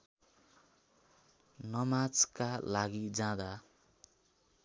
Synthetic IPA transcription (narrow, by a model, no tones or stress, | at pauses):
nʌmad͡zkalaɡid͡zãd̪a